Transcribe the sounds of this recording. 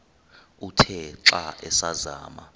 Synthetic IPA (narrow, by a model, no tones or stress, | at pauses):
utʰɛǁaʔɛsaza̰ːma